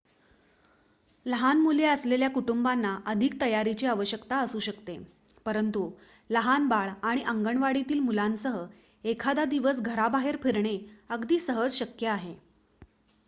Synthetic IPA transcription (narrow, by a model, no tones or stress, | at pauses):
ləɦanmuleəsleljakuʈumbanːaʔəd̪ʱik̚t̪əjaɾit͡ɕiːaʋəɕjəkt̪aəsuːɕəkt̪e | pəɾənt̪u | ləɦanbaɭaɽ̃iʔəŋɡəɳʋaɽit̪iːlmulansəɦə | ekʰad̪ad̪iʋəs̬ɡʱəɾabaɦeɾpʰeɾɳeəɡd̪iːsəɦəd͡zɕəkjəaɦe